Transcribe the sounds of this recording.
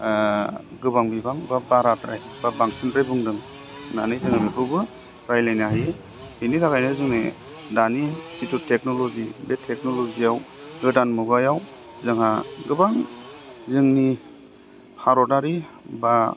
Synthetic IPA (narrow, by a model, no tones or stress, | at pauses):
ɡɯbaŋbibaŋbabaɾatɾajb̥abaŋsʰintɾajbɯŋdɯŋ | nanɯjzɯŋamipʰɯbɯ | ɾajlajnaɦaje | hɯjnitʰakajnɯzɯŋne | danisitutʰek̚nɔlɔzibetʰːek̚nɔlɔziawɡɯdanmuɡajaw | zɯŋhaɡɯbaŋ | zɯŋni | pʰaɾɔdaɾi | ba